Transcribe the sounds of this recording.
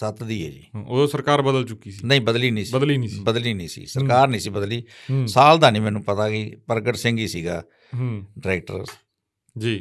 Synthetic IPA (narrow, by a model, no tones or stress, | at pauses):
sət̪d̪iːɛ̰ːd͡ʒḭːoːsəɾkaːɾbəd̪əlt͡ʃʊkiːsinə̃ĩːbəd̪liːnĩːsəd̪liːñːbəd̪liːnəĩːsḭːsəɾkaːɾnəĩːsiːbəd̪liːsaːld̪aːnĩːmɛ̃ːnũːpət̪aːkɪpəɾɡəʈsɪ̃ŋɡiːsiːɡa̰ː | ɖɾɛːk̚ʈə̰ɾ | d͡ʒiː